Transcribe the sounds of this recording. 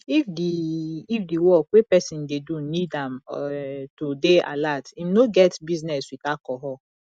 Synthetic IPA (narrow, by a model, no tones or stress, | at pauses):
ifdiifdiwɔkʷepɛsĩndedunidãm | tudea̰latimnoɡɛtbiznɛswikakɔɦɔ